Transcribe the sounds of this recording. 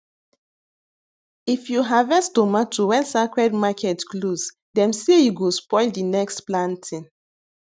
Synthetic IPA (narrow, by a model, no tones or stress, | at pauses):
ifjuɦavɛsdomatuwɛ̃nsakɹɛdmakʰɛtkloz | dɛ̃msejuɡospɔɪldinɛkstplãntʰĩn